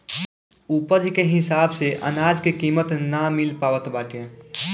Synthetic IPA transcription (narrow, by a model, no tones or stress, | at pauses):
upəd͡ʒkeɦɪsaːbseʔə̰naːd͡ʒkekiːmət̪namɪlpaːʋət̪baːʈẽ